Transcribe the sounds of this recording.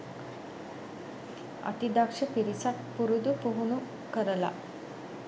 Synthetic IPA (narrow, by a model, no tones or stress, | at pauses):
a̰t̪id̪akʂəpiɾisat̪puɾud̪upuɦunu | kəɾla̰